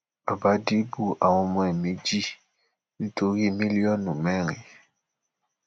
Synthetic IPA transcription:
a˨ba˨˦di˦bu˦ʔa˨wɔ̃˨˧mɔ̃˦ɛ˨mi˨˦d͡ʒi˦ | n̩˦to˨˦ɣi˦˨mi˦li˦ɔ˦nu˨mɛ˦ɾi˨

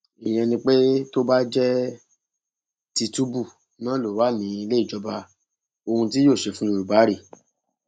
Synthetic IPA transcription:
i˨j̃ɛ̃˧nĩ˧k͡pe˦to˦ba˦d͡ʒɛ˦ | ti˧tu˦bu˦˨ | nãː˨˦lo˨wa˨˦nĩ˨˦i˧le˦i˦˨d͡ʒɔ˧ba˧ | o˧hũ˧t̬i˦joː˦˨ʃe˨fũ˦i˧ɾu˨ba˨˦ɾi˦˨

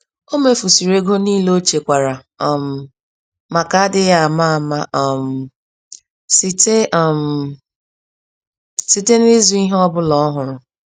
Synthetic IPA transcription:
o˦me˦fu˨si˨ɾe˦ɡo˦niː˦lo˦t͡ʃe˨kʷa˨ɾa˨ | m̩˨ | ma˨ka˨a˦dɪ˦ja˨a˨ma˦a˨ma˦ʔm̩˨ | si˨te˦˨m̩˨ | si˨te˦n˦ɪ˦zu˦i˦ɦɔ˦bʊ˦lɔ˦ɔ˦ɦʊ˨ɾʊ˨

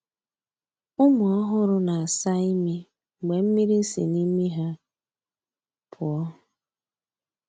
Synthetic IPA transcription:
ʊ˦mʊ˨ɔ˦ɦʊ˦ɾʊ˦na˨a˨sa˦i˦mi˦˨ | ɡ͡be˨m̩˦mi˦ɾi˦sḭ˨ni˦mi˦ɦa˦ | pʰʊ˨ɔ˦

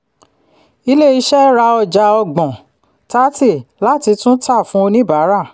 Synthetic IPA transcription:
i˧˦le˦i˧ʃɛ˦ɾa˧ɔ˧d͡ʒa˧ɔ˧ɡ͡bɔ̃˨ | ta˦ti˦˨la˦ti˧tũ˦ta˦˨fũ˦o˧nĩ˦ba˨˦ɾa˦˨

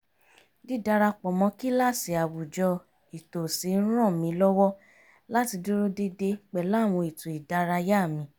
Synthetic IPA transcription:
di˦da˧ɾa˧k͡pɔ˨mɔ̃˧˦ki˦la˦˨si˨a˨wu˨d͡ʒɔ˧ | i˨to˨si˨˦n̩˦ɾ̃ɔ̃˦˨mĩ˨˧˦lɔ˦wɔ˦ | la˦ti˧du˦ɾo˦de˧de˧k͡pɛ˨la˨˦˨w̃ɔ̃˧i˨to˨i˨da˧ɾa˧ja˦˨mĩ˧

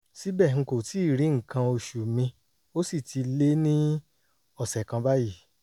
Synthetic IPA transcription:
si˨˦bɛ˦˨ŋ̩˧ko˨ti˨˦˨ɾi˨˦ŋ̩̃˦˨kã˧o˧ʃu˨mĩ˧ | o˦si˦˨tʰi˧le˦nĩ˦ | ɔ˦˨sɛ˨kã˧ba˦ji˦˨

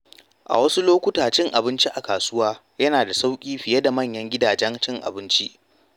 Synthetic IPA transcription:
ʔa̰˨wɐ˦su˦loː˦kʷʊ˦taː˨t͡ʃɪ˦ŋʔa˨bɪ˦nt͡ʃi˦ʔa˨kaː˨sʊ˦waː˦ | jɐ˦naː˨da˨sa˦wkʲʼiː˦ɸɪ˨jɐ˦da˨mɐ˦˨ɲjɐ˦ŋɡʲɪ˦daː˨d͡ʒɛ˦nt͡ʃɪ˦ŋʔa̰˨bɪ˦nt͡ʃi˦ʔ

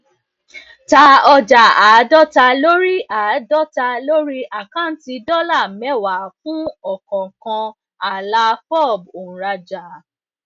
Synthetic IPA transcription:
ta˧˦ɔ˧d͡ʒa˨aː˨˦dɔ˦ta˧lo˦ɾi˦a˨dɔ˦ta˧lo˦ɾi˦ʔa˨kã˦n̩˦ti˧dɔ˦la˦˨mɛ˦wa˨fũ˦ɔ˦˨kɔ̃˨kã˧ | a˨la˧˦fɔ˦˨b̚o˨ũ˨ɾa˧d͡ʒa˨

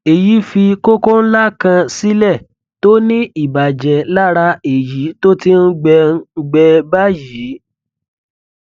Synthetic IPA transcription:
e˨ji˨˦fi˧ko˦ko˦n̩˦la˦kã˧si˦lɛ˦˨ | to˦nĩ˦i˦˨ba˨d͡ʒɛ˨la˦ɾa˧e˨ji˨˦to˦ti˧n̩˦ɡ͡bɛ˧˦ɡ͡bɛ˧ba˦ji˨˦

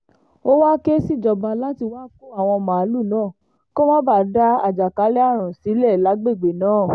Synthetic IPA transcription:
o˦wa˦ke˦si˦˨d͡ʒɔ˧bã˧la˦ti˧wa˦ku˦a˦˨w̃ɔ̃˧mã˨a˨˦lu˦˨nãː˦˨ | ko˦mã˦ba˦˨da˦a̰˨d͡ʒa˨ka˨˦lɛ˦a˦˨ɾ̃ũ˨si˨˦lɛ˦˨la˨˦ɡ͡be˦˨ɡ͡be˨nãː˨˦˨

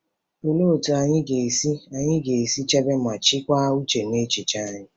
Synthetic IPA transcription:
o˨lo˦o˨tu˨a˨ɲɪ˦ɡe˨si˦a˨ɲɪ˦ɡe˨e˨si˦t͡ʃe˦be˦m˨a˨t͡ʃɪ˦kʷa˦u˦t͡ʃe˨ne˦t͡ʃi˨t͡ʃa˦ɲɪ˦

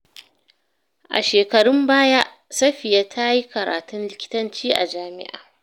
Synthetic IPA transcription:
ʔa̰˨ʃeː˨kɐ˨ɽʊ˦mbaː˦ja˦ʔ | sɐ˦ɸɪ˨ja˦tʰa˦ji˦kɐ˨ɾa̰ː˨tʊ˦nlɪ˦kʲɪ̥˦tɐ˦nt͡ʃiː˦ʔa̰˨d͡ʒaː˨mɪ̰˦ʔa̰ː˨

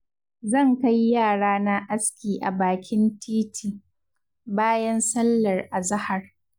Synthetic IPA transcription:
zɐ˦˨ŋka˦jːaː˦˨ɽaː˦na˦ʔa˦skʲiː˨ʔa̰˨baː˨kʲɪ˦ntiː˦tʰiː˨ | baː˦jɐ˦nsɐ˦lːɐ˨rʔa˨zɐ˦hɐ˨r

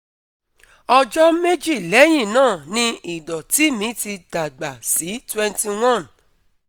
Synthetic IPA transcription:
ɔ˧d͡ʒɔ˦me˦d͡ʒi˦˨lɛ˨˦j̃ĩ˦˨nãː˦˨nĩ˧i˨dɔ˨ti˨˦mĩ˨˦ti˧d̥a˨ɡ͡ba˨si˨˦twɛ˦nti˧w̃ɔ̃˦˨n

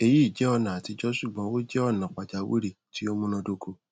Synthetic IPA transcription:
e˦˨ji˦i˦˨d͡ʒɛ˨˦ɔ˦˧nã˨a˨ti˧d͡ʒɔ˦ʃu˦˨ɡ͡bã˨˦wo˦d͡ʒɛ˦ɔ˦˨nã˨k͡pa˨d͡ʒa˨wḭ˦ɾi˦˨tʰi˨˦o˦mũ˦nã˧do˧ɡo˧

